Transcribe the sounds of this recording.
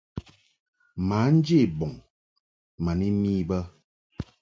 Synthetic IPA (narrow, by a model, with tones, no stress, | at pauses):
ma˨˦n̩˦d͡ʒe˦˨bɔ˨ŋ | ma˨ni˦miː˦bə˦